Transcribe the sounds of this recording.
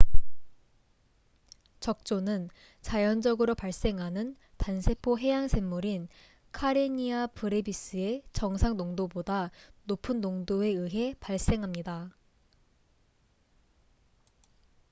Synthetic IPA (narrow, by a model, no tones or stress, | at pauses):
t͡ɕʌk̚t͡ɕ͈onɯn | t͡ɕajʌnd͡ʑʌɡɯɾopaɭs͈e̞ŋɦanɯn | tansʰe̞pʰoɦe̞jaŋsʰe̞mːuɾin | kʰaɾeɲiapɯɾebis͈ɯe̞t͡ɕʌŋsʰaŋnoŋdobodanopʰɯnːoŋdoe̞ɯɦe̞paɭs͈e̞ŋɦamɲida